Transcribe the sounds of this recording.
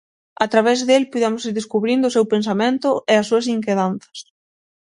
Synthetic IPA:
at̪ɾaβɛzðelpuðemʊsiɾðeskuβɾind̪ʊːsewpensamẽnt̪ʊɛɐs̬ːuɐs̬iŋkeðanθɐ̥s

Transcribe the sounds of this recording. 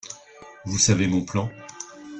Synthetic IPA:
vusavemɔ̃plɑ̃

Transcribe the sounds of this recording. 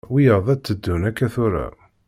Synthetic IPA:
wijəɾðˤæt͡sːəd̪ːunækːæθʊɾæ̰

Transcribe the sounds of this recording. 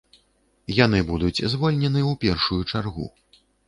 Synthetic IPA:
janɨbud̪ut͡sʲzvɔlʲnʲɛnɨwpʲɛrʂujut͡ʂarɣṵ

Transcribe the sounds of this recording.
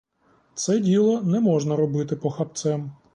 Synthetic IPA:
t̪sɛdʲilˠɔnɛmɔʒnɐɾɔbɪt̪ɪpɔxɐp̚t̪sɛm

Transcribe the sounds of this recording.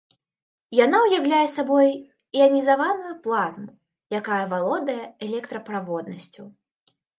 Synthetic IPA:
janawjawlʲajɛsabɔj | iɐnʲizavanujuplˠazmu | jakajɐvalˠɔd̪ɐjɛɛlʲɛkt̪ɾɐpɾavɔd̪nɐsʲt͡sʲu

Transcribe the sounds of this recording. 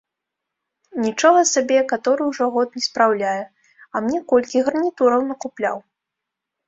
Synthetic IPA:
nʲit͡ʂɔɣɐsabʲɛkat̪ɔɾɨwʐɔɣɔt̪̚nʲɛspɾawlʲajɛ | ɐmnʲɛkɔlʲkʲiɣɾɐnʲit̪uɾɐwnɐkuplʲa̰w

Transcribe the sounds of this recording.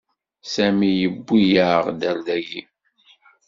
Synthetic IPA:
sæmijəbːijəʁd̪æld̪æjḭ

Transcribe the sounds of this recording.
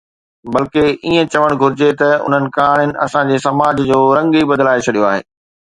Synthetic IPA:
bɐlkeʔiːə̃t͡ɕɐʋəɽ̃ɡʱʊɾɪd͡ʑet̪ɐʊ̰n̤ənɪ̆kaːɽ̃ɪnɪ̆ɐ̰sãd͡ʑeːsɐmaːd͡ʑd͡ʑoːɾɐ̃ŋɡibɐd̪laːet͡ɕʰɐɗijoaːɦḛː

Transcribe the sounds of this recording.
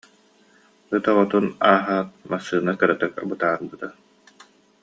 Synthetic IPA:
ɯt̪ɔʁɔt̪unaːɦaːt̪̚masːɯːnakɛɾɛt̪ɛka̰bɯt̪aːɾbɯt̪a

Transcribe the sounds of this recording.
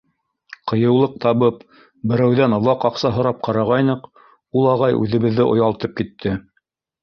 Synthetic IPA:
qʰɤ̆jɤ̆wlˠɤq̚t̪ɑβɤp | bɘ̆ɾæwðænŏwˠɑqɑqsɑɦŏɾɑp̚qʰɑɾɑʁɑjnɤq | ulˠɑʁɑjʔʉ̰ðɘ̆βɘ̆ðːɘʔŏ̰jɑlˠt̪ɤp̚kit̪ʰːɘ

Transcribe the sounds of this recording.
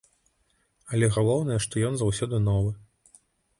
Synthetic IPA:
ɐlʲɛɣalˠɔwnɐjɛʂt̪ɔjɔnzawsʲɔd̪ɨnɔvɨ

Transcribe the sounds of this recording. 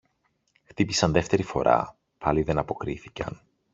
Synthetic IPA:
xt̪ipisɐnðe̞ft̪e̞ɾifo̞ɾɐ̰ | pʰɐliðe̞nɐpo̞kɾiθicɐ̰n

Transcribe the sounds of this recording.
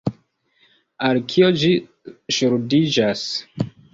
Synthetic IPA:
alkʰiod͡ʒi | ʃuɾudid͡ʒas

